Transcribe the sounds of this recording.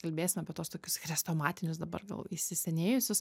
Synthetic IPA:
kɐlʲbʲeːsʲɪmɐːpʲiɛt̪oːst̪oːkʲʊsxɾʲɛst̪oːmɑːt̪ʲɪnʲʊsd̪ɐbɐ̰rɡɐ̰lˠɪʃʲsʲɪsʲɛnʲeːjʊsʲʊs

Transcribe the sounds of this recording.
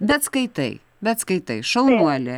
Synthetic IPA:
bʲɛt̪skɐɪt̪ɐ̰ɪ | bʲɛt̪skɐɪt̪ɐɪʃɐlˠnuɔlʲɛ

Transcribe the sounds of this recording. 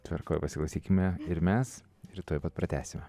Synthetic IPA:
t̪ʲʋʲɛɾkoːjpɐsʲɪklˠɐʊsʲiːkʲɪmʲɛɪɾmʲɛs | ɪɾt̪oːjpɐt̪̚pɾɐt̪ʲæ̰ːsʲɪmʲɛ

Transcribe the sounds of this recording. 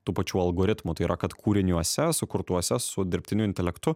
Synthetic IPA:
t̪uːpɐt͡ʃʲuːɐlˠɡoːɾʲɪt̪muːt̪ɐɪiːɾɐkɐt̪kʰuːɾʲɪnʲuɔsʲɛsʊkʊɾt̪uɔsʲɛsʊd̪ʲɪɾʲpʲt̪ʲɪnʲʊɪnʲt̪ʲɛlʲɛkt̪ʊ

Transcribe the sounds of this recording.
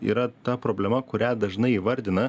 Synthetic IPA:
ḭːɾɐt̪ɐpɾoːbʲlʲɛmɐkʊɾʲæd̪ɐʒnɐɪiːʋɐɾʲd̪ʲɪnɐ

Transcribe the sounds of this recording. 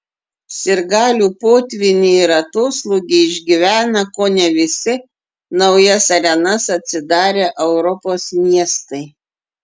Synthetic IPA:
sʲɪɾɡɑːlʲuːpoːt̪ʲʋʲɪnʲiɪɾɐt̪oːslˠʊɡʲɪɪʒʲɡʲiʋʲæːnɐkoːnʲɛʋʲɪsʲɪ | nɐʊjɛsɐɾʲɛnɐsɐt̪ʲsʲɪd̪ɑːɾʲeːʔɛʊɾɔpoːsmʲiɛst̪ɐɪ

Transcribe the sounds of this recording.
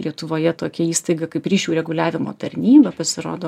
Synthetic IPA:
lʲiɛt̪ʊʋoːjɛt̪oːkʲɛiːst̪ɐɪɡɐkɐɪpɾʲiːʃʲuːɾʲɛɡʊlʲæːʋʲɪmo̰ːt̪ɐɾʲnʲiːbɐpɐsʲɪɾo̰ːd̪oː

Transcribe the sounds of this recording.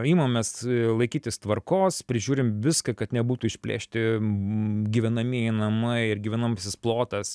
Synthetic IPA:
iːmɐmmʲɛslˠɐɪkʲiːt̪ʲɪst̪ʋɐrkoːspʲɾʲɪʒʲuːɾʲɪmʋʲɪskɐkɐt̪nʲɛbuːt̪uːɪʃʲpʲlʲḛːʃʲt̪ʲɪ | ɡʲiʋʲɛnɐmʲiɛjɪnɐmɐɪɪɾɡʲiʋʲɛnɐmɐsʲɪsplˠoːt̪ɐs

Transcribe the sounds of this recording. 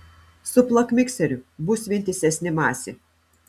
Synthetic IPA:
sʊplˠɐkmʲɪksʲɛɾʲʊbʊsʲʋʲɪnʲt̪ʲɪsʲɛsʲnʲɪmɑːsʲɪ

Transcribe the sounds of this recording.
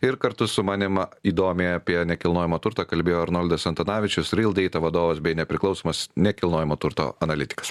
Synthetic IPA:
ɪɾkɐɾt̪ʊsʊmɑːnʲɪmɐiːd̪oːmʲeːɐpʲiɛnʲɛkʲɪlˠnoːjɪmoːt̪ʊɾt̪ɐːkɐlʲbʲeːjoːɐɾnoːlʲd̪ɐsɐnt̪ɐnɑːʋʲɪt͡ʃʲʊsɾʲɪlˠd̪ʲɛɪt̪ɐʋɐd̪oːʋɐsbʲɛɪnʲɛpʲɾʲɪklˠɒʊsoːmɐsnʲɛkʲɪlˠnoːjɪmoːt̪ʊɾt̪o̰ɐnɐlʲɪt̪ʲɪ̥kɐ̥s

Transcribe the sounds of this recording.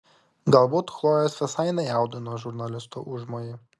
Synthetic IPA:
ɡɐlˠbuːt̪xlˠoːjɛsʋʲɪsɑɪnʲɛjɑˑʊd̪ʲɪnoːʒʊɾnɐlʲɪst̪uʔʊʒmojɪ

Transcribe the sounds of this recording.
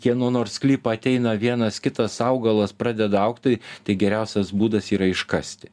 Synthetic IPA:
jiɛnuɔnoːrsklʲiːpɐɐt̪ʲɛɪnɐʋʲiɛnɐskʲɪt̪ɐsɐʊɡɐlˠɐspɾɑːd̪ʲɛd̪ɐɐʊkt̪ɐɪt̪ɐɪɡʲɛɾʲɛʊsʲɛsbuːd̪ɐsiːɾɐɪʃkɐsʲt̪ʲɪ̥

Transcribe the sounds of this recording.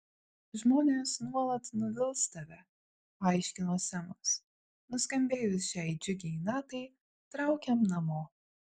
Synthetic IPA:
ʒmoːnʲeːsnuɔlˠɐt̪nʊʋʲɪlˠst̪ɐʋʲɛ | ɑˑɪʃʲkʲɪnoːsʲɛmɐs | nʊsʲkɐmʲbʲeːjʊsʃʲæɪd͡ʒʲʊɡʲɛnɑːt̪ɐɪ | t̪ɾɑˑʊkʲɛmnɐmoː

